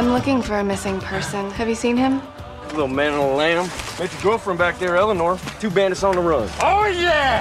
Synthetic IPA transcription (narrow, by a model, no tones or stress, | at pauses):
ãɪ̃mlʊkɪ̃ŋfə˞ɨmɪsɪ̃ŋpʰɜ˞sɨ̃nɨvjɨsĩnɪ̃m | lɪɾ̩l̩ˠmæ̃nl̩ˠlæ̃mmeɪt͡ʃɨɡoʊfə̃˞mbæk̚ðə˞ɛlˠənɔɹtʰʉbæ̃ndɨsn̩ðəɹʌ̃d̥oʊjæ